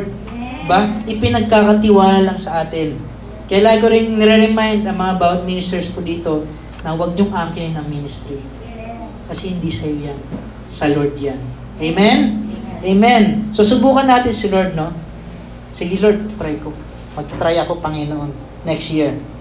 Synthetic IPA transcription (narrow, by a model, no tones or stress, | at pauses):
d̪̚ | d̪ɪbaʔɪpɪnɐɡ̚kakɐt̪ɪwaːlalɐŋsɐʔaːt̪ɪn | kɐjalaːkoɾɪnnɛɾɛɾɛmajnd̪ɐŋmɐŋabawɐt̪̚minɪst̪ɛɹskod̪iːt̪o̞ | nɐwɐɡ̚ɲʊŋʔaːɾkɪnɐŋminɪst̪ɾi | kɐsɛhɪnd̪isɐjojan | sɐloɹd̪̚jan | ʔejmɛnʔejmɛnsosʊbuːkɐnːaːt̪ɪnsɪloɹd̪̚no̞ | sɪɡɪloɹd̪̚t̪ɐt̪ɾajko | mɐɡ̚t̪ɐt̪ɾajɐko̞pɐŋɛnoʔonː | ɛkst̪jiɹ